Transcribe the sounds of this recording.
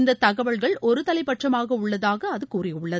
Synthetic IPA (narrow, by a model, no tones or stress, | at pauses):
nd̪ɐt̪ɐɣɐʋɐɭɣɐɭɔɾɯt̪ɐlɐɪpːɐʈrɐmaːɣɐʊɭːɐðaːɣɐːðɯkuːrɪʊɭːɐ